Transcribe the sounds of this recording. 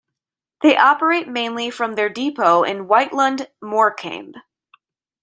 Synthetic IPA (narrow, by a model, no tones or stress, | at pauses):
ðeɪʔɑpə˞eɪt̚mẽɪ̃nlifɹʌ̃mðə˞dipʰoʊʔɪ̰̃nwaɪʔlə̃ndmɔɹkʰæ̰̃ɪ̃mb̥